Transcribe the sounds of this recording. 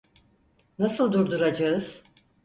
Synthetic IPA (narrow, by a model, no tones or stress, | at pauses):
nasɯlˠd̪uɾd̪uɾad͡ʒaɯz̥